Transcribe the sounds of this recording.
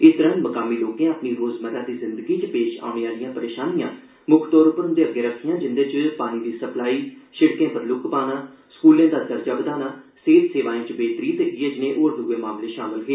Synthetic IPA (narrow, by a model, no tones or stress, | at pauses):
ɪst̪əɾə̃nməkaːmiːloːkẽːapniːɾoːzməɾãːd̪iːzɪnd̪əɡiːt͡ʃpeːʃa̰ːʊɳ̃eːaːlijãːpəɾeːʃaːnijãː | mʊkʰt̪ɔːɾʊpəɾʊ̃nd̪eːəɡːeːɾəkʰːijãːd͡ʒɪnd̪ət͡ʃpaːniːd̪iːsəplaːiːʃɪɽkẽːpəɾlʊkpaːnaː | skuːlẽːd̪aːd̪əɾd͡ʒaːbəd̪aːnaːseːt̪seːʋaːĩːt͡ʃbeːt̪ɾiːt̪eɡieːd͡ʒɪnẽːʔoːɾd̪uːʋeːmaːmleːʃaːmɪlɦeː